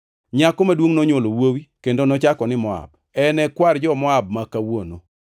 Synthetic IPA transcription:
ɲakɔmadwoŋnoɲolowowikendonɔt͡ʃakɔnɪmɔa̰b̚ | ɛnɛkward͡ʒɔmɔab̚makawono̰

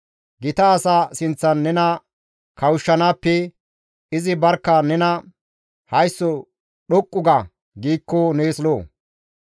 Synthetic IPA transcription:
ɡɪt̪ɐːsaːsɪnt͡sːɐnːɛnɐ | kɐwʊʃːɐnaːpːɛ | ɪzɪbɐɾkːɐnɛnɐ | hɐjsːɔ | ɗɔkʼːʊɡɐ | ɡiːkːoneːsloː

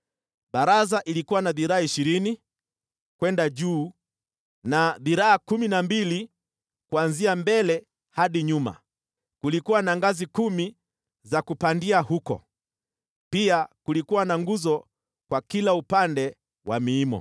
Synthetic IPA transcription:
ɓaɾazaʔilikuwanaðiɾaaiʃiɾini | kwɛndaʄuː | naðiɾaakuminambili | kuanziambɛlɛ | haɗiɲuma̰ | kulikuwanaŋɡazikumi | zakupandiahukɔ̰ | piakulikuwanaŋɡuzɔ | kwakilaupandɛ | wa̰miːmɔ̰

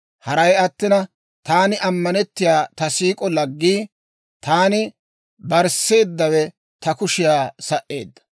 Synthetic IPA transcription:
hɐɾɐjɐt̪ːɪnɐ | t̪aːnɪʔɐmːɐnɛt̪ːɪjaːt̪ɐsiːkʼɔlɐɡːiː | t̪ʰaːnɪ | bɐɾse̞ːd̪ːɐwɛ | t̪ɐkʊʃɪjaːsɐʔe̞ːd̪ːɐ̥

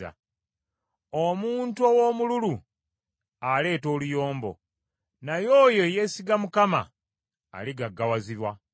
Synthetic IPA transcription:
a̰ | omuːntuowo̞mululu | ale̞ːto̞ːlujo̞ːmbo̞̰ | najo̞ːjo̞je̞siɡamukama̰ː | liɡaɡːawaziβwa

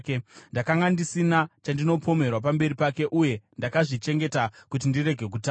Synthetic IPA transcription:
kndakaŋɡandisinat͡ʃandino̞pʰo̞me̞rwap̬ambe̞ɾipake̞ʔuje̞ndakaʐit͡ʃe̞ŋɡe̞takut̬indiɾe̞ɡʱe̞k̬utː

